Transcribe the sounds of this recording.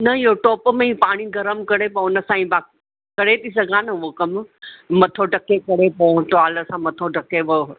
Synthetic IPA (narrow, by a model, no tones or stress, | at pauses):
nɐɪɦoʈɔːpmẽĩpaːɽ̃iɡʱɐɾəmkɐɽepɐʊnə̆sãːĩbaː | kɐɽet̪ʰisɐɡʱãːnəʋokɐmmɐt̪ʰoɖɐkekɐɾepɐ̃ʈaːləsãmɐt̪ʰoɖʱɐkeʋo